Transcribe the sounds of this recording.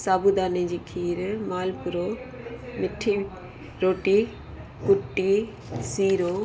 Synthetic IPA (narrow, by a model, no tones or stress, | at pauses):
saːbud̪aːnẽd͡ʑiːkʰiːɾmaːlpʊɾo | mɪʈʰi | ɾoːʈi | kʊʈːi | siːɾo